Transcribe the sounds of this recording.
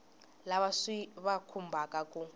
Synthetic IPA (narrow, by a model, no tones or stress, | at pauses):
laβasiβakʰumbʱakʼakʼu